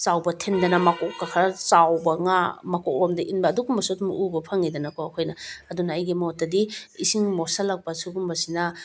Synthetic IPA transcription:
t͡ʃawbɐtʰendɐnɐmɐkɔkːakʰat͡ʃawbɐŋamɐkokbamdɐʔinbɐːduɡumbɐsudumʔubɐpʰɐŋːidɐnɐkoɐkʰojnɐɐdunaːjɡimotːɐdiisiŋmosɐlːɐk̚pɐsuɡumbɐsinɐ

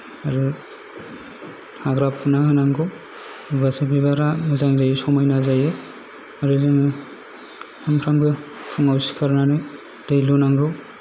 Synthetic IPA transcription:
aɾu | haɡɾapʰunahɯnaŋɡɯw | ibasibibaɾamɯzaŋzajɯsɔmajnazajɯ | aɾɯzɯŋɯ | hampʰɾamɡɯpʰuŋawsi̥kʰaɾnanɯ | d̥ɯjlunaŋɡɯw

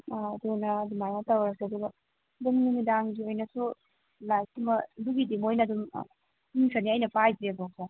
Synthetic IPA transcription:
aːdunɐdumajmatawɾɐseɐduɡɐ | dumnumidaŋɡiojnɐsu | laj̚imɐduɡidimojnɐdum̰ | iŋsaniɐjnɐpʰajtɾebɔk̚sa

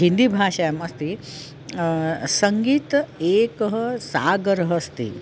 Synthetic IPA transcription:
ɦind̪ibʱaːʃajɐmɐst̪i | sɐŋɡiːt̪eːkɐɦɐsaːɡɐɾɐɦɐst̪ḭ

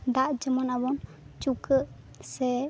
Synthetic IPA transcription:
d̪aʔd͡ʒəmɔnabɔn | t͡ʃukəʔ | sɛ

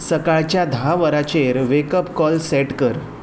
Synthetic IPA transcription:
səkaɭt͡ɕjad̪ʱaʋəɾat͡ɕeɾʋekəpkɔlsɛʈkəɾ

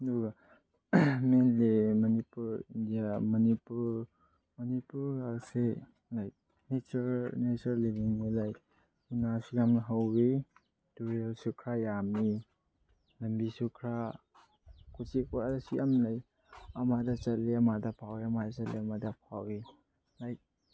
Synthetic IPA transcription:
nuɡa | menlemɐnipuɾindijamɐnipuɾ | mɐnipuɾase | laj | net͡ʃɐɾnet͡ʃɐllibiŋnilaj | kunasiɡamnɐɦawɡe | tuɾiasukʰɾajami | lɐmbisukʰɾa | kusikadɐsiʔɐmlaj | ɐmadɐt͡ʃɐlːiɐmadɐpʰaweɐmadɐt͡ʃɐlḭɐmadɐpʰawi | laj

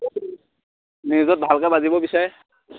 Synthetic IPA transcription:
nizɔt̚bʱalkabazibɔbisaɹɛ

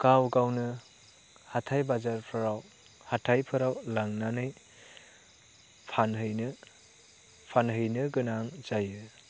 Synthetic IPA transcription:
kawɡawnɯ | hatʰajbazaɾpʰɯɾaw | hatʰajpʰɯɾawlaŋnanɯj | pʰanɦɯjnɯ | pʰanɦɯjnɯɡɯnaŋz̥ajɯ

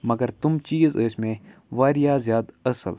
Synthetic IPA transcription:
mɐɡəɾt̪ʊmt͡ʃiːzəːsmẽʋaːɾɪjaːzjaːd̪ɐsə̰l

